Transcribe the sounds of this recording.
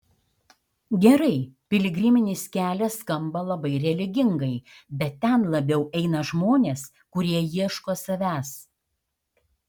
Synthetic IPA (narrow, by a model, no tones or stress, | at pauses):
ɡʲɛɾɐɪpʲɪlʲɪɡɾʲɪmʲɪnʲɪːskʲæːlʲɛskɐmbɐlˠɐbɐɪɾʲɛlʲɪɡʲɪŋɡɐɪbʲɛt̪ʲtːʲɛnlˠɐbʲɛʊʔɛɪnɐʒmoːnʲeːs | kʊɾʲiɛjiɛʃkoːsɐʋʲæːs